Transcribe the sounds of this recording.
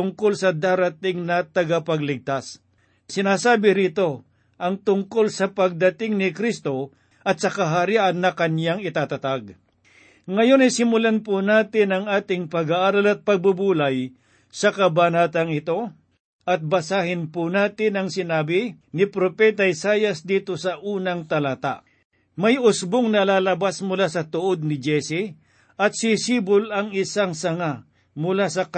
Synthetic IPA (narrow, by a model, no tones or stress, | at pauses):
ʊŋko̞lsɐd̪aːɾɐt̪ɪŋnɐt̪ɐɡapɐɡlɪɡ̚t̪as | sɪnaːsaːbɪɾiːt̪o̞ | ʔɐŋt̪ʊŋko̞lsɐpɐɡ̚d̪ɐt̪ɪŋnɪkɾist̪o̞ | ʔɐt̪̚sɐkɐɦaɾiʔɐnːɐkɐnjaŋɪt̪aːt̪ɐt̪aɡ | ŋɐjo̞nɐjsɪmʊlanpʊnaːt̪ɪnɐŋaːt̪ɪŋpɐɡaʔaɾalɐt̪̚pɐɡ̚bubuːlɐj | sɐkɐbanaːt̪ɐŋɪt̪o̞ | ʔɐt̪̚bɐsaːhɪnpʊnaːt̪ɪnɐŋsɪnaːbɪ | nɪpɾopɛt̪ɐɪsaːjɐsd̪iːt̪o̞sɐʔuːnɐŋt̪ɐlat̪a̰ʔ | mɐjʊsboŋnɐlaːlɐbasmʊlasɐt̪oʔo̞d̪̚nɪd͡ʒɛsi | ɐt̪̚sisiːbʊlɐŋɪsaŋsɐŋa | mʊlaːsɐk